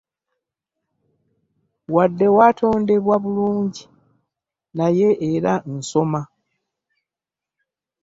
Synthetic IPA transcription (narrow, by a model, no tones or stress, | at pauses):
wadːe̞waːtʰo̞ːnde̞βwaβuluːɲɟi | naje̞eɾan̩so̞ma